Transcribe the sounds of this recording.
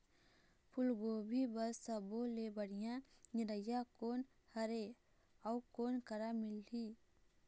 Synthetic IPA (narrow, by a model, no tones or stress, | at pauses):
pʰʊlɡoːbʱibəsəbolebəɽ̤ijãniɾəjakoːn | həɾe | aukoːnkəɾamɪli